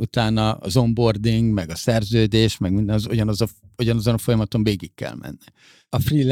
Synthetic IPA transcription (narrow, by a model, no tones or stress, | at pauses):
ut̪aːnɒ̰ːzo̞mbo̞rd̪iŋɡmɛɡɒsɛrzøːd̪eːʃmɛɡmind̪ɛnzoɟɒnɒzɒ | oɟɒnɒzo̞nɒfo̞jɒmɒt̪oɱveːɡikːɛ̰lmɛ̰nːi | ɒfriːl